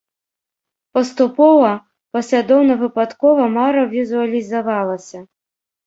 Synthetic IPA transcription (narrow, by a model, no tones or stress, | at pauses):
pɐst̪upɔvɐ | pɐsʲlʲad̪ɔwnɐvɨpat̪kɔvɐmaɾɐvʲizuɐlʲizavalˠɐsʲɐ